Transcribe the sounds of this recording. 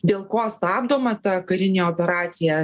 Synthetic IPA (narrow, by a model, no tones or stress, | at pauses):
d̪ʲeːlˠkoːst̪ɑːbd̪oːmɐt̪ɐkɐɾʲɪnʲeːoːpʲɛɾɑːt̪sʲɪjɛ